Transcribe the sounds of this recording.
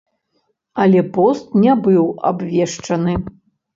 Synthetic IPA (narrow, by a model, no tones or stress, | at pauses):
ɐlʲɛpɔst̪̚nʲɛbɨwa̰bvʲɛʂt͡ʂɐnɨ